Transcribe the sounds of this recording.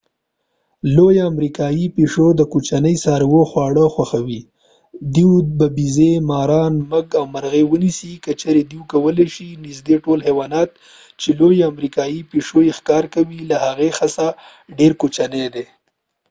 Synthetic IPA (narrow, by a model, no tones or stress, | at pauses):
lojamɾikɑjipeʂod̪əkot͡ʃanəjsɑɾwoxwɑɽəxwaxawi | d̪iwbabizemɑɾɑnməɡawmaɾɣewənisikət͡ʃaɾed̪iwkawəleʃinɪzd̪eʈolhewɑnɑt̪ | t͡ʃelojamɾikɑjipeʂojexkɑɾkawilahaɣexasa | ɖeɾkot͡ʃaned̪e